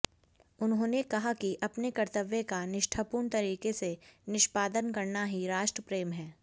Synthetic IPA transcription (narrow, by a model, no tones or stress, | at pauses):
ʊnɦõːnekɐɦakiʔɐpnekɐɾt̪əʋjekanɪʃʈʰaːpuːɳt̪ɐɾiːkesenɪʃpaːd̪ənkɐɾnaɦiɾaːʃʈɾəpɾeːmɦɛː